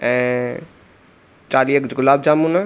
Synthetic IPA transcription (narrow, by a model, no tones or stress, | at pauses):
ɛ̃ | t͡ʃaːliekd͡ʒɡʊlaːb̚d͡ʒaːmuna